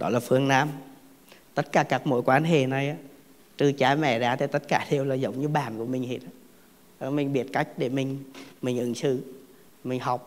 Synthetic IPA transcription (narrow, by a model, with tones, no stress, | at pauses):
ɗɔ̰˨˦laː˨˩fɨ˨˧əŋnaː˧m | t̪ə˦˥t̚kaː˧˩kaː˦˥k̚mo̰˧˥jkwaː˨˦nɦḛ˧˨na˨˩jʔaː˨˧˦ | t̪ɨ˨˩t͡ɕaː˨˦mɛ̰˧˩˨zaː˨˦t̪ʰa˨˩t̪ə˦˥t̚kaː˧˩ɗe˨˩əwlaː˨˩zə˨˦wŋ͡mɲɨ˧ɓaː˨˩nku˧˩əmï˨˩ŋ̟he˨˦˩t̚a˧˦ | ɗɔ˨˦mï˨˩ŋ̟ɓi˨˧˩ət̚ka˦˥jk̟̚ɗe˧˩mï˨˩ŋ̟mï˨˩ŋ̟ʔɨ˧˩ŋsɨ̰˧˨ | mï˨˩ŋ̟ɦa˨˩wk͡p̚